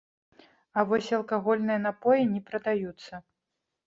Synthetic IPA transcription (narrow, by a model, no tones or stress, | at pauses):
ɐvɔsʲɐlˠkaɣɔlʲnɨjɐnapɔjinʲɛpɾɐd̪ajut̪sːɐ